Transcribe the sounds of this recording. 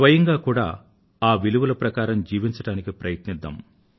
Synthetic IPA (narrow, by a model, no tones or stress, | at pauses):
ʋɐjɐŋɡaːkuːɽa̰ː | aːʋiluʋulɐpɾɐkaːɾɐmd͡ʒiːʋiɲt͡ʃɐɽaːnikipɾɐjɐt̪nid̪ːɐ̰m